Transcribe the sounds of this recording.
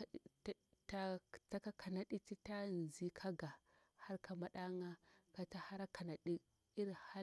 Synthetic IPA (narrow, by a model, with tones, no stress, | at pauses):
ta˦ta˦ka˦kʰa˨na˦ɗi˦ti˦ta˦˨n˨zi˦kʰa˦ɡa˨ | ha˦ɾka˨ma˨ɗa˦ŋa˦ka˨ta˦ha˦ɾa˦ka˨na˨ɗi˦ | i˦ɾha˦